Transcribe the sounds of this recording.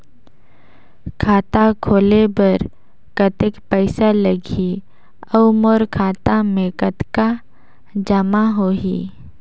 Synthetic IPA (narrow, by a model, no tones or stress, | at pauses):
kʰaːt̪akʰoːlebəɾ | kət̪ekpɛɪsaləɡʱi | əʊmɔːɾkʰaːt̪amẽkət̪ka | d͡ʒəmaɦoːɦḭː